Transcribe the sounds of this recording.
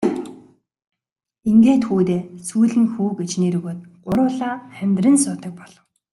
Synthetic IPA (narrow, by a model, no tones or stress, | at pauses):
iŋɡeːt̪xuːt̪eːsujɮɘ̆ŋxuːɡet͡ɕniːɾɵɣoːt̪̚ɢ̥ʊɾʊːɮaːχæmʲt̪rɘ̆nsʊːt̪ə̆k̚pɔɮ̥ɞ̆w